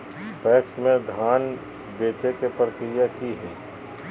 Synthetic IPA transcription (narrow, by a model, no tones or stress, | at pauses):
pɛːksmẽd̪ʱaːn | beːt͡ʃekepɾəkɾɪjakiɦɛː